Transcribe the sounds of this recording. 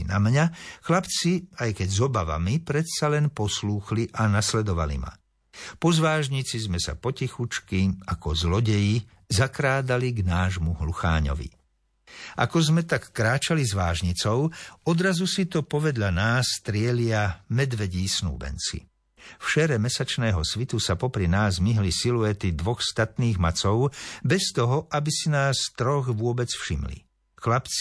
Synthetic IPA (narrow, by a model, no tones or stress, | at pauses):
namɲaxlapt͡siajkɛɟzɔbaʋa̰mipɾɛt̪salɛnpɔsluːxliʔanaslɛd̪ɔʋa̰lḭma̰ | pɔzʋaːʒɲit͡sizmɛsa̰pɔcixut͡ʃkiakɔzlɔɟɛji | zakɾaːd̪aliɡnaːʒmuɦluxa̰ːɲɔ̰ʋḭ | ʔa̰kɔzmɛt̪akːɾaːt͡ʃalizʋaːʒɲit͡sɔʊɔd̪ɾazusit̪ɔpɔʋɛd̪ʎanaːst̪ɾɪɛlɪamɛd̪ʋɛɟiːsnṵːbɛ̰nt͡sḭ | fʃɛɾɛmɛsat͡ʃnɛːɦɔsʋit̪usapɔpɾinaːzmiɦlisiluɛt̪id̪ʋɔxst̪at̪niːɣmat͡sɔʊbɛst̪ɔɦɔʔabisinaːst̪ɾɔɣʋʊɔbɛt͡sfʃimlḭ | xlapt͡si̥